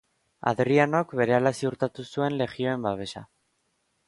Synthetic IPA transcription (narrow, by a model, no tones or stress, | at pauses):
a̰ðriano̞kβe̞ɾe̞alasiuɾt̪at̪usue̞nle̞ɣio̞e̞mbaβe̞sa̰